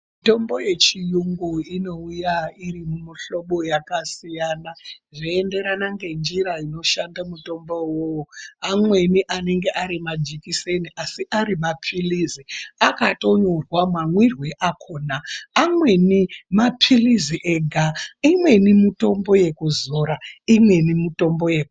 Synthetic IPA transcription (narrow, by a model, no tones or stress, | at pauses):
mito̞mbo̞je̞t͡ʃijuŋɡuino̞ujairimumiɬo̞ɓo̞jakasijanaʐiende̞ɾanaŋɡe̞nd͡ʒiɾaino̞ʃandamuto̞mbowooamwe̞niʔane̞ŋɡe̞ʔaɾimad͡ʒikise̞niʔasiʔaɾimapʰiliziakato̞ɲorwamamwirwe̞ʔakʰoːnaːmwe̞nimapʰiliziʔeɡʱaimwe̞nimito̞mbo̞je̞kuzoɾaimwe̞nimito̞mbo̞jeku